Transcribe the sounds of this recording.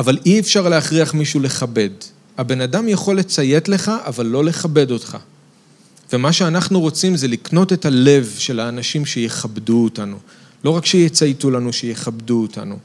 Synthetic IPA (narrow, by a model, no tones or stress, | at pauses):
avalʔiefʃaʁleaχʁiaχmiʃule̞χabe̞d | abe̞nadamjaχo̞lːet͡saje̞tle̞χaʔavalːo̞le̞χabe̞do̞tχa̰ | ve̞maʃeanaχnuʁot͡simzelikno̞te̞tale̞vʃe̞laːnaʃimʃe̞jeχabduːtanu | lo̞ʁakʃejet͡sajtulanuʃejeχabduota̰nu